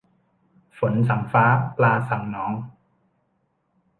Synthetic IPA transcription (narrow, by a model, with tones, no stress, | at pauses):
fo˩˦nsa˩˦ŋfaː˦˥plaː˧sa˨˩ŋnɔː˦˥ŋ